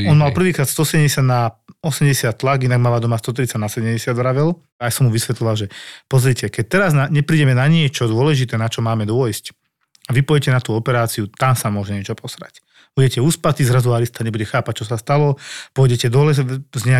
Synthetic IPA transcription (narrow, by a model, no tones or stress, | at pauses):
ɔnmalpr̩ʋiːkɾaːt̪st̪ɔsɛɟɛmɟɛsɪad̪naɔsɛmɟɛsɪat̪ːlaɡinaɡmaːʋaːd̪ɔmast̪ɔt̪̬ɾit͡saɟnasɛɟɛmɟɛsjad̪ʋɾaʋɛl | ajsɔmːuʋisʋɛt̪lɔʋalʒɛpɔzɾicɛkɛc̚t̪ɛɾaznaɲɛpɾiːɟɛmɛnaɲɪɛt͡ʃɔd̪ʊɔlɛʒit̪ɛːnat͡ʃɔmaːmɛd̪ʊɔjsc | aʋipɔjɛcɛnat̪uːɔpɛɾaːt͡siut̪amsamʊɔʒɛɲɪɛt͡ʃɔpɔsɾa̰c | b̥uɟɛcɛuːspat̪izɾazuaɾist̪aɲɛbuɟɛxaːpac̚t͡ʃɔsast̪alɔpɔɔjɟɛcɛd̪ɔlɛzɲɛa